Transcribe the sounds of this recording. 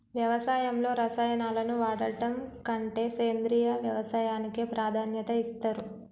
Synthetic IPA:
ʋjɐʋɐsaːjɐmlo̞ːɾɐsaːjɐnaːlɐnuʋaːɽɐʈɐmkɐɳʈe̞ːseːnd̪ɾijɐʋjɐʋɐsaːjaːnikeːpɾaːd̪ʱaːnjɐt̪ɐist̪ɐɾu

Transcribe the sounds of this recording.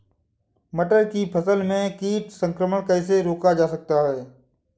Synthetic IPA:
məʈəɾkiːpʰəsəlmẽːkiːʈsə̃ŋkɾəməɳkəɪs̬eɾoːkad͡ʒaːsək̚t̪aɦeː

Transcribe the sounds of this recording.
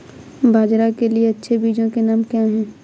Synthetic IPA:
bʱaːd͡ʒɾakelieɐtːʃʰebiːd͡ʒõkenaːmkjãːɦɛ̃ː

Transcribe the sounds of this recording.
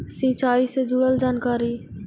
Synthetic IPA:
sĩːt͡ʃaːiːsed͡ʒuːɽəld͡ʒaːnkaːɾiː

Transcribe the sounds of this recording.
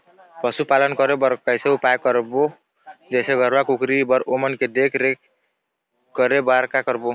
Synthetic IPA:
pəsupalənkʌɾebəɾkajseupajkəɾbo | d͡ʒeseɡʱəɾbakukɾibəɾomənked̪ekʰɾek | kəɾebaɾkakəɾbo

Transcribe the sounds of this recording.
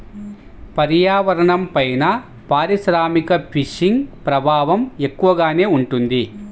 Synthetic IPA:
pɐɾjaːʋɐɾɐɳɐmpɐjnɐ | paːɾiʃɾaːmikɐpʰiʂiŋɡpɾɐbʱaːʋɐme̞kːuʋɐɡaːne̞ːuɳʈund̪i

